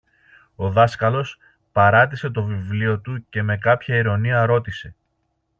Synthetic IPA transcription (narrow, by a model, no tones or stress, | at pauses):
o̞ðɐskɐlo̞s | pɐɾɐt̪̬ise̞t̪o̞vivlio̞t̪uce̞me̞kɐpçɐiɾo̞niɐɾo̞t̪ise̞